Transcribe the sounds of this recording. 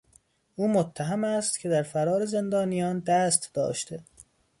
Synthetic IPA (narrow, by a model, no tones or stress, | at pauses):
ʔuːmot̪ʰːæɦæmæst̪cʰe̞d̪æɾfæɾɒːɾeze̞nd̪ɒːnijɒːnd̪æːst̪d̪ɒ̰ːʃt̪ʰe